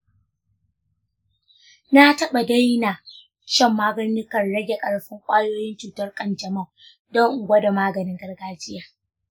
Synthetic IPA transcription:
na˦tɐ˦ɓa˨da˦jna˨ | t͡ʃɛ˦˨mːaː˦ɡɐ˦n˦ɪ˦kɐ˨rɽɐ˦ɡʲe˨kʼɐ˨ɽɸɪ˦ŋkʷʼaː˦joː˦jɪ˦nt͡ʃuː˨tɐ˦rkʼɐ˦nd͡ʒɐ˨mɐ˦˨ | dɔ˦ŋʔʊ˨ɡʷɐ˦da˨maː˦ɡɐ˨nɪ˦ŋɡɐ˦rɡaː˦d͡ʒɪ˦jaː˨

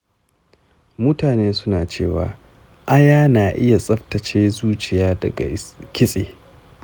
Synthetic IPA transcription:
mʊ˦taː˨neː˦sʊ˦naː˨t͡ʃḛː˦˨wa̰ː˨ | ʔa˦jaː˦naː˨ʔɪ˦ja˨sʼɐ˦ɸtɐ˨t͡ʃeː˦zuː˦t͡ʃɪ˨jaː˦dɐ̰˨ɡa̰˨kʲɪ˦sʼḛː˨

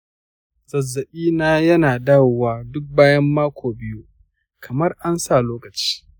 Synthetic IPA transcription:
zɐ˨zːɐ˨ʔiː˦naː˦jɐ˦naː˨da˦˨wwaː˨dʊ˦k̚baː˦jɐ˦mːaː˦kʷʰoː˨bɪ˦ju˦ | kʰɐ˨mɐ˦rʔa˦nsa˦˨loː˦kɐ˨t͡ʃi̥ː˦

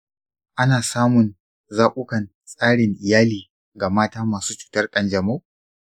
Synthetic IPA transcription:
ʔa˦naː˨saː˦mʊ˨n | zaː˦ʔʷʼʊ˦kɐ˨n | sʼaː˦ɽɪ˨ŋʔɪ˨jaː˦liː˨ | ɡa˨maː˦taː˦maː˨suː˦t͡ʃu̥ː˨tɐ˦rkʼɐ˨nd͡ʒɐ˨mo˦

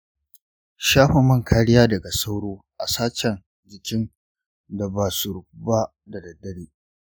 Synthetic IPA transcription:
ʃaː˦ɸɐ˨mɐ˦ŋkʰaː˦ɽɪ˦jaː˦dɐ˨ɡa˨sa˦wɽoː˦ʔa˨saː˦t͡ʃɛ˨n | d͡ʒɪ˨kʲɪ˦n | da˨baː˨su˨ɾʊ˨ku˦ba˦ | da˨dɐ˨dɐ˦ɽeː˦

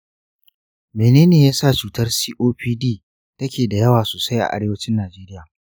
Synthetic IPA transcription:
meː˨neː˦neː˨jaː˦saː˦˨t͡ʃuː˨tɐ˦rsiː˦ʔoː˦ɸiː˦diː˦ | tɐ˦kʲeː˨da˨jɐ˦waː˨su˨sa˦jʔa̰˨ʔa˦ɽeː˦wɐ˦t͡ʃɪ˦nːaː˨d͡ʒeː˦ɾɪ˦jaː˨

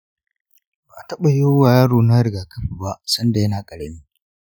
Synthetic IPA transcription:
baː˨ʔa˨tɐ˦ɓa˨joː˦waː˨jaː˦ɽoː˨na˦jɡaː˨kʰɐ˦ɸiː˨ba˦ʔsɐ˦nda˨jɐ˦naː˨kʼɐ˨ɽɐ˨miː˦

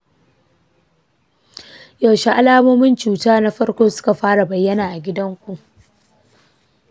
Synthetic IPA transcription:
ja˨wʃi˦ʔa˦laː˦moː˦mɪ˦nt͡ʃuː˨taː˦na˦ɸɐ˦ɽkʷoː˦sʊ̥˦ka˨ɸaː˦ɽa˨bɐ˨jːɐ˦naː˨ʔa˨ɡʲɪ˦dɐ˦ŋkʷu˨ʔ

